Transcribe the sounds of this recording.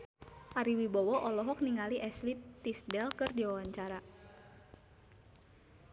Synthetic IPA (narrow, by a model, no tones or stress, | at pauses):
ʔaɾiwibɔwɔʔɔlɔɦɔk̚niŋaliʔɛslit̪ːisdɛlkərdiwawaɲt͡ʃaɾa